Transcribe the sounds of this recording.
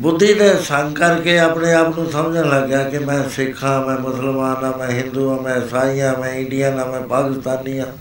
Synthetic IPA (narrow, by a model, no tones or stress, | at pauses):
bʊd̪ːiːd̪eːsəŋɡkəɾkeːapneːaːpnũːsəmd͡ʒãːləɡjaːkɪmɛ̃ːsɪkʰːãːmɛ̃ːmʊsəlmaːnãːmɛ̃ːɦɪ̃nd̪uːãːmɛ̃ːsaːɾijãːmɛ̃ːɪɳɖijãːnãːmɛ̃ːpaːkɪst̪aːniːãː